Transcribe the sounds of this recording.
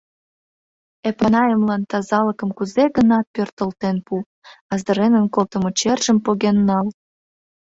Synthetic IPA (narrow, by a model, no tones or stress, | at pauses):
epɑnɑjəmlɑnt̪ɑzɑləkəmkuzeɣənɑt̪̚pørt̪əlt̪enpu | ɑzd̪ə̆ɾenənkolt̪əmot͡ɕerʒəmpoɣenːɑl